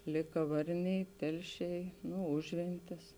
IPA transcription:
ˈlʲeːkɐ ˈʋɐrʲˌnʲɛɪ ˈtʲɛlʲˌʃʲɛɪ nʊ ˈʊʒʲʋʲɛnʲtʲɪs

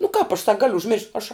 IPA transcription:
nʊ kɑːp ɐʃ sɐk ˈɡɑːlʲʊ ʊʒʲˈmʲɪrʃt ˈɐʃ

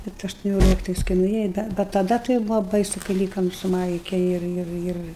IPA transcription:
ˈbʲɛt ɐʃtʊˈnʲoːlʲɪktɐɪs kɐɪ nʊˈeːjɛ bʲɛt tɐˈdɐ tɐɪ ˈbuːʋoː ˈbɐɪsʊ kɐɪ ˈlʲiːkɐm sʊ ˈmɐɪkʲɛ ˈɪr ˈɪr ˈɪr

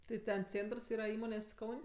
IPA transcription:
tɐɪ ˈtʲɛn ˈt͡sʲeːntrs ˈiːrɐ ˈiːmoːnʲeːsʲ ˈkɐʊnʲ

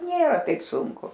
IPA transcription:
ˈnʲeːrɐ ˈtɐɪp ˈsʊŋkʊ

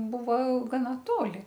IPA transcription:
ˈbʊʋɐ ɡɐˈnɐ ˈtoːlʲɪ

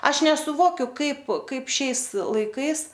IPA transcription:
ˈɐʃ nʲɛsʊˈʋoːkʲʊ ˈkɐɪp ˈkɐɪp ˈʃʲɛɪs lˠɐɪˈkɐɪs

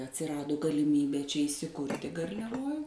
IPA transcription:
ɐtʲsʲɪˈrɑːdʊ ɡɐlʲɪˈmʲiːbʲeː t͡ʃʲɛ iːsʲɪˈkʊrʲtʲɪ ɡɐrʲlʲɛˈʋoːj

